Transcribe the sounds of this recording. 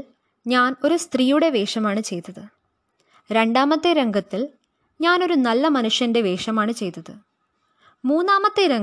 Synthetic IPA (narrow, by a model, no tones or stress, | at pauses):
ɲaːno̞ɾust̪riːjuɽe̞ʋe̞ːʂɐmaːɳɨt͡ɕe̞jt̪ːɐðɨ | ɾe̞ɳɖaːmɐt̪ːeɾeŋɡɐt̪ːil | ɲaːno̞ɾunɐlːɐmɐnuʂjɐnde̞ʋe̞ːʂɐmaːɳɨt͡ɕe̞jt̪ːɐðɨ | muːnːaːmɐt̪ːeɾeŋ